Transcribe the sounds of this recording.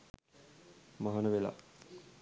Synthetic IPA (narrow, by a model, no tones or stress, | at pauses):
maɦanəʋela̰